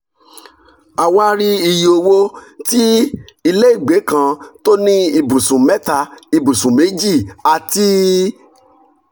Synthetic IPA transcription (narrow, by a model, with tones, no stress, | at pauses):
a˧wa˦ɾi˦i˧jo˧wo˦ti˦i˧le˦i˦˨ɡ͡be˨˦kã˧to˦nĩ˦i˧bũ˨sũ˨mɛ˦ta˧i˨bu˨sũ˨me˨˦d͡ʒi˦˨a˧ti˦